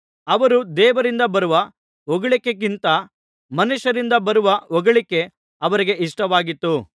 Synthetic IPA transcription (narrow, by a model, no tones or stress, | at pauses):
ɐʋɐɾud̪ɛːʋɐɾind̪ɐbɐɾuʋɐ | ɔɡɐɭikːek̬int̪ɐ | mɐnuʃɐɾind̪ɐbɐɾuʋɐɔɡɐɭikːe̞ | ɐʋɐɾiɡe̞iʂʈɐʋaːɡit̪ːu